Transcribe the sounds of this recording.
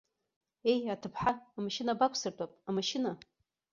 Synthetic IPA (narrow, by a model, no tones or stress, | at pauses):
e̞jatʰɨpʰħaːmaʃɪnabakʷʰsɨrtʼapʼamaʃɪna